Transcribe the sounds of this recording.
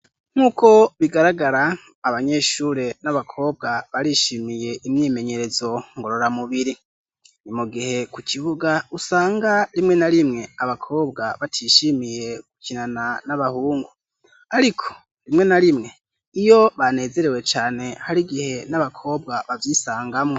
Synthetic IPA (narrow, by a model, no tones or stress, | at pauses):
ŋ̥uːko̞βiɡaɾaɡaɾaː | βaɲe̞ʃuːɾe̞naβakʰo̞ːb̚ɡaβaɾiʃimije̞ʔimɲiːme̞ɲe̞ɾe̞zo̞ŋɡoɾo̞ɾamuβiɾi | nimuɡihe̞kucʰiβuɡausaːŋɡaɾimŋe̞naɾimŋe̞aβakʰo̞ːb̚ɡaβatʰiʃimije̞ɡucinananaβahuːŋɡu | aɾikʰo̞̥ | ɾimŋe̞naɾimŋe̞ | ijo̞βane̞ːze̞ɾe̞we̞t͡ʃaːne̞haɾiɡihe̞naβakʰo̞ːb̚ɡaβavjisaːŋɡamŋo